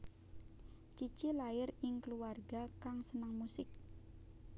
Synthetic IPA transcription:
t͡ʃit͡ʃilaɪrɪŋkəluarɡakaŋsənəŋmusɪk̚

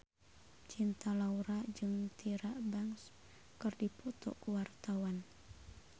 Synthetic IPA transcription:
t͡ʃint̪alauɾad͡ʒɨŋt̪ʰiɾaʔbaŋs | kɨrdipɔt̪ɔ̰kuwart̪awan

